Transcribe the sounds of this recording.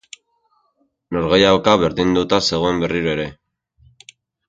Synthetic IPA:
no̞ɾɣejawkaβe̞ɾðind̪ut̪ase̞ɣ̞o̞e̞mbe̞riɾoe̞ɾe̞

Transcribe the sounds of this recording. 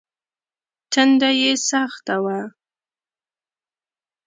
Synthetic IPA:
tand̪ajesaχt̪awa

